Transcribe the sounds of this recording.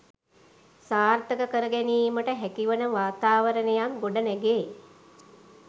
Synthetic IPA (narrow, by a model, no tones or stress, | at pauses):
saːrt̪əkəkəɾəɡɛniːməʈəɦækiʋənəʋaːt̪aːʋəɾənejaŋɡoɖənɛɡe